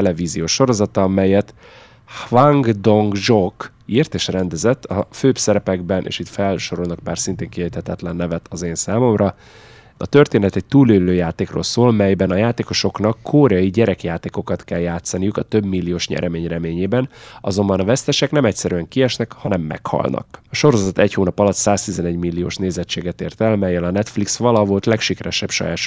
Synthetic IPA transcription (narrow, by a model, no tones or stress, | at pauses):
ɛlɛviːzijoːʃːo̞ɾo̞zɒt̪ɒmɛjɛt̪ | hvaŋɡd̪oŋɡʒok | irt̪eːʃrɛnd̪ɛzɛt̪ːɒføːpsɛɾɛpɛɡbɛnʔḛːʃit̪fɛlʃoɾolnɒk̚paːrsint̪eːŋkiɛjt̪hɛt̪ɛt̪lɛnːɛvɛt̪ʰɒzeːnsaːmo̞mrɒ | ɒt̪ø̞rt̪eːnɛt̪ɛc̚t̪uːløːløːjaːt̪eːkro̰ːlsoːlmɛjbɛnɒjaːt̪eːko̞ʃo̞knɒkʰːoːɾɛɒjiɟɛɾɛkjaːt̪eːko̞kɒt̪kɛljaːt̪sɒnijukɒt̪ø̞bmilːijoːʃɲɛ̰ɾʔɛmeːɲrɛmeːɲeːbɛnɒzo̞mbɒnɒvɛst̪ɛʃɛknɛmɛcsɛɾyɛŋkiɛʃnɛkhɒnɛmːɛ̰khɒ̰lnʔɒ̰kɒʃo̞ɾozɒt̪ɛchoːnɒpɒlɒt̪saːst̪izɛnɛɟmilːijo̰ːʃneːzɛt͡ʃːeːɡɛt̪eːrt̪ɛlmɛjːɛlɒnɛt̪fliksʋɒlɒvo̞lt̪lɛkʃikɛɾɛʃɛbʃɒ̰jaːʃ